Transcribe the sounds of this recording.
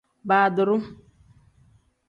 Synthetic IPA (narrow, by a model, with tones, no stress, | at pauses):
baː˨dʊ˨ɾʊ˦m